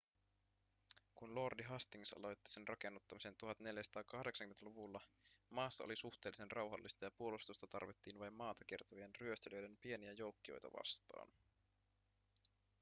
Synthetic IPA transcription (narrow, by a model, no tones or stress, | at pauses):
kunlo̞ːrdiɦɑst̪iŋsɑ̰lo̞jt̪ːi̥se̞nrʔɑke̞nːut̪ːɑmise̞nt̪uɦɑt̪ne̞ljæsɑ̥t̪ɑːkɑhdeksɑŋkymet̪æluʋulːɑmɑːsːɑo̰lisuxt̪eːlːise̞nrʔɑwɦɑlːist̪ɑjɑpuo̞lust̪ust̪ɑt̪ɑ̰rʋit̪ːiːnʋɑjmːɑːt̪ɑk̟ert̪ɑʋienryøst̪eljøjdenpie̞niæjo̞wkːio̰jt̪ɑ̰ʋɑ̰st̪ɑ̰ːn